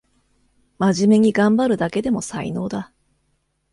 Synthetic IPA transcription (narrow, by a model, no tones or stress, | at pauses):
maʑime̞ɲ̟iɡãmbaɾɯ̟d̪ake̞d̪e̞mo̞saḭno̞ːd̪a